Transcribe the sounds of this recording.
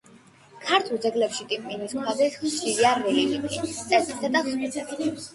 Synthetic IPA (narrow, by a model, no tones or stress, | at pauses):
kʰaɾt̪ʰulˠd̪zɛɡlɛpʃit̪ʼimpʼiniskʰad̪ɛsχʃiɾiaɾɛlimikʰʼḭt̪ʼɛsd̪ʰɛt̪ʼaχsi